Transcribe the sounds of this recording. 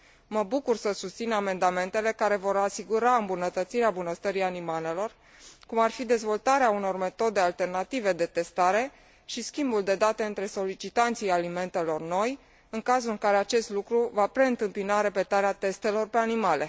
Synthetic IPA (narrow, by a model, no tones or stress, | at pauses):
məbukursəsust̪siname̞nd̪ame̞nt̪e̞le̞kaɾe̞vo̞ɾasiɡuɾaɨmbunət̪ət̪siɾeambunəst̪əɾianimale̞lo̞r | kumarfid̪e̞zvo̞lt̪aɾeauno̞rme̞t̪o̞d̪e̞alt̪e̞rnat̪ive̞d̪e̞t̪e̞st̪aɾe̞ | ʃiskʲimbuld̪e̞d̪at̪e̞ɨnt̪ɾe̞so̞lit͡ʃit̪ant̪sijalime̞nt̪e̞lo̞rno̞j | ɨŋkazulɨŋkaɾe̞at͡ʃe̞st̪lukɾuvapɾe̞ɨnt̪ɨmpinaɾe̞pe̞t̪aɾeat̪e̞st̪e̞lo̞rpe̞animale̞